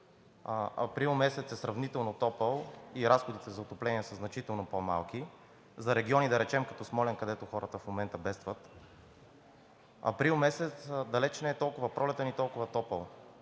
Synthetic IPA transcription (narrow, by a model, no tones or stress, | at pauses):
ɐ̰pɾilˠmɛsɛt̪sɛsɾɐvnit̪ɛlˠnot̪ɔpəlˠiɾasxod̪it̪ɛzɐot̪oplɛniɛsəznɐt͡ʃit̪ɛlˠnopoma̰lˠki | zɐɾɛɡʲiɔnid̪ɐɾɛt͡ʃɛmkɐt̪ɔsmɔlɛnkɐd̪ɛt̪oxɔɾət̪əfmomɛnt̪əbɛst̪vət̪ | ɐ̰pɾilˠmɛsɛt̪sd̪ɐlɛt͡ʃnɛɛt̪ɔlˠkʊvəpɾʔɔlɛt̪ənit̪ɔlˠkʊvɐt̪ɔpəlˠ